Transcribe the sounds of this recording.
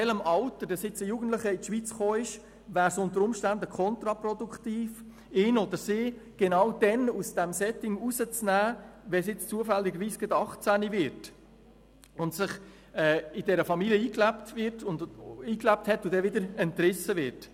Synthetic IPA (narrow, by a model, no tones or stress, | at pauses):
ɛləmɑltədsɪt͡səjuːɡən̩tləχəɪtʃʋit͡sχoːɪʃ | ʋæːɾsʊntəɾʊmʃtændəkʰɔnt̪ɾɑpɾɔduktiːf | ɪːnodəɾsɪːɡ̥enɑwd̥ɛnusd̥ɛmsɛtɪŋusət͡snæːʋɛsjɪt͡st͡suəfɛlːɪɡəɾviːsɡ̥ɛdɑχt͡sænivɪɾt | ʊntsɪχ | ɛːɪd̥ɛɾəfɑmiliəiːklæptvɪɾtʊndiːklæp̚thɛtʊd̥ɛvɪdəɾɛntrɪsəvɪɾt